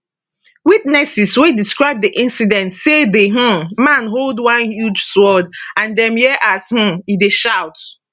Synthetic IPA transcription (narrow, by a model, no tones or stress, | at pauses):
witnɛsiswediskɹaɪb̚diʔĩnsidɛ̃ntsedeɦɔ̃mãnɦoldwãnhjud͡ʒswɔdãndɛ̃mjɛʔashũideʃaʊt